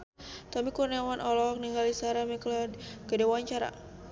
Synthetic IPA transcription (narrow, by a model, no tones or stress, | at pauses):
t̪ɔmikurnawanʔɔlɔk̚niŋɡalisaɾamiklɔkədewaɲt͡ʃaɾa̰